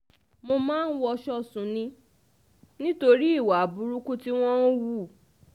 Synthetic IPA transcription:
mo˧mãː˦˧n̩˦wɔ˧ʃɔ˦sũ˨nĩ˧˦ | nĩ˦to˧ɾi˦i˦˨wa˨bu˨˦ɾu˦ku˦ti˦w̃ɔ̃˦wu˦˨

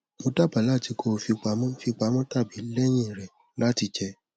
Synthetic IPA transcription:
mo˧da˦˨ba˨la˦˨ti˧ko˧fi˧k͡pa˨˧˦mɔ̃˦fi˧k͡pa˧˦mɔ̃˦ta˦˨bi˨˦lɛ˦j̃ĩ˦˨ɾɛ˨ | la˦ti˧t͡ʃɛ˧

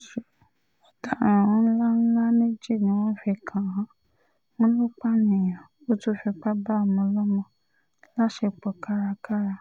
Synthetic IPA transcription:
ʃe˨ | ɔ˨tã˨ã˨w̃ɔ̃˦ñ̩˦la˦n̩˦la˦ne˦d͡ʒe˦˨nĩ˨˦wɔ̃˦fɛ˧kʰã˨ɦã˦ | wɔ̃˦n˦lo˦k͡pa˦nĩ˨ã˨ | o˦to˦fɛ˧k͡pa˦ba˦˨mɔ̃˧lɔ˦mɔ̃˧ | la˦ʃe˧k͡pɔ˨ka˦ɾa˧ka˦ɾa˧

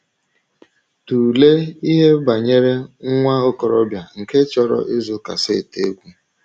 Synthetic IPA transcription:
tu˨le˦i˦ɦe˦ba˨ɲe˦ɾe˦ŋ̩˦ŋʷa˦o˦kɔ˨ɾɔ˦bja˨ŋ̩˨ke˦t͡ʃɔ˦ɾɔ̰˦ʔe˦zʊ˦ka̰˨se˦˨te˦ɡʷu˦

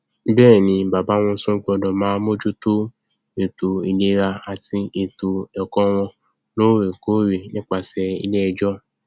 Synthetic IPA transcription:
bɛː˦˨nĩ˧ba˨ba˨˦w̃ɔ̃˧˦sũ˦k͡pɔ˧dɔ̃˨mãː˨˦mo˦d͡ʒu˦to˦ | e˨tu˨i˧le˦ɾa˧a˧˨ti˧e˨tu˨ɔ˨kɔ̃˦w̃ɔ̃˧ | no˦ɾe˨ko˨˦ɾe˨nĩ˦k͡pa˧sɛ˧ḭ˧le˦ɛ˧d͡ʒɔ˦

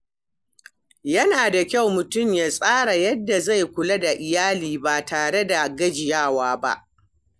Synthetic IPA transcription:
jɐ˦naː˨da˨kʲa˦˨wmʊ˨tʊ˦˨mjaː˨sʼaː˦ɽa˨jɐ˦dːa˨za˦˨jkʷʊ˨lɐ˦da˨ʔɪ˨jaː˦liː˨ba˨tʰaː˨ɽe˦da˨ɡɐ˦d͡ʒɪ˨jaː˦˨waː˦ba̰˦ʔ

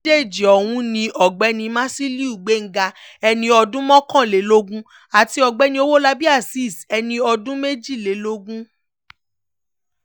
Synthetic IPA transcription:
e˦˨d͡ʒi˨ɔ˨w̃ũ˦nĩ˧ʔɔ˨ɡ͡bɛ˨˧˦nĩ˧mã˦si˦li˦u˦˨ɡ͡be˨˦ŋ̩˦ɡa˧ɛ˧nĩ˧ɔ˧dũ˦mɔ̃˦kã˦˨le˨˦lo˦ɡũ˦ | a˨ti˧˦ɔ˧ɡ͡bɛ˨˧˦nĩ˧o˦wo˦la˧bi˦a˦˨si˦˨sɛ˧nĩ˧ɔ˧dũ˦me˦d͡ʒi˦˨le˨˦lo˦ɡũ˦

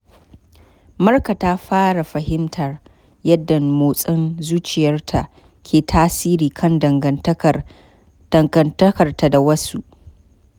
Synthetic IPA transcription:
mɐ˦rka˨ta˦ɸaː˦ɽa˨ɸɐ˨hɪ˦mtʰɐ˨r | jɐ˦dːɐ˨nmoː˨sʼɐ˦nzuː˦t͡ʃɪ˨jɐ˦rtʰa˨ʔ | kʲʰeː˨tʰaː˦siː˦ɾiː˨kʰɐ˦ndɐ˨ŋɡɐ˦ | d̥ɐ˨ŋɡɐ˨ntɐ˦kɐ˨rta˨da˨wɐ˦su˦ʔ

